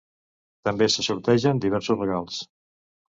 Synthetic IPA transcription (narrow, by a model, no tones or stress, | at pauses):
t̪əmbesəsuɾt̪ɛʒənd̪iβɛɾsuzrəɣalˠs